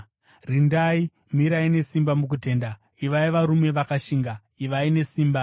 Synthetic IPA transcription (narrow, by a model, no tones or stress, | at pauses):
rindai | miɾaine̞simbamuk̬ute̞ːnda | iʋaiʋaɾume̞ʋakaʃiːŋɡa | iʋaine̞siːmba